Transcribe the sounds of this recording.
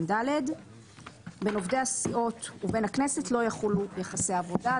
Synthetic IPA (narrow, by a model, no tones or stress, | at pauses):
ndaled | be̞no̞vdehasio̞t̪uve̞nhaknesetlo̞jaχulujeχasejaːvo̞da